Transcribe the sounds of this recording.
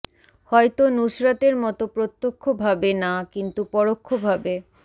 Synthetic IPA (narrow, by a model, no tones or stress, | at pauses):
hɔet̪onuʃɾat̪eɾmɔt̪opɾot̪ːokʰːobʱabenakint̪upɔɽokʰːobʱabe